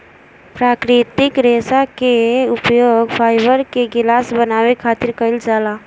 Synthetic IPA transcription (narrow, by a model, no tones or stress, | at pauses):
pɾaːkɾɪt̪ɪkɾeːsakeʊpjoːɡpʰaːɪbəɾkeɡɪlaːsbənaːwekʰaːt̪ɪɾkəɪld͡ʒaːla